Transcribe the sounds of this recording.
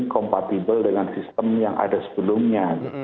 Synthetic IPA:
kɔmpat̪ibəldəŋansist̪əmjaŋʔa̰dasə̥bəlʊmɲa

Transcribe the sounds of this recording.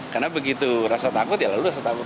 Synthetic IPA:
karnabəɡit̪urasat̪akʊt̪jalalurasat̪akʊt̪

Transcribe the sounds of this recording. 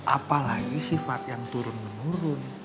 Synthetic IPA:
ʔapalaɡisifat̪̚jaŋt̪uɾʊnmənuɾʊn

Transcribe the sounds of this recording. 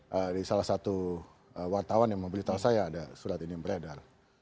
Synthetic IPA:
ʔədisalahsat̪u | əwart̪awanjaŋməmbəlit̪aasajaːdasuɾat̪inimbəɾadal

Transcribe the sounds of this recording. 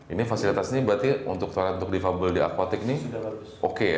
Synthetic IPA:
inifasilit̪asɲibəɾat̪iṵnt̪ʊk̚t̪oaɾat̪unt̪ʊk̚difabəldia̰kwat̪ɪk̚ni | ʔoke

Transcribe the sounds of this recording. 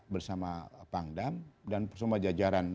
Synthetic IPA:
bərsamapaŋdamdanpərsəmad͡ʒad͡ʒaɾan

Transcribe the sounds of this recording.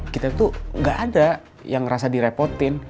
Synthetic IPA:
kit̪at̪uŋɡaʔːda | jaŋrasadiɾepɔrt̪ɪn

